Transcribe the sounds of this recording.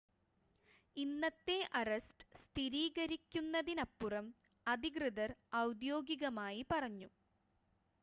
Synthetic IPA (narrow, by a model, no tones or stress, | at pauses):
inːɐt̪ːe̞ʔɐrestɨ̥st̪ʰiɾiːɣɐɾikʲːunːɐðinɐpːurɐm | ɐd̪iɡrɨðɐrɐwd̪jo̞ːɡiɣɐmaːjipɐrɐɲːu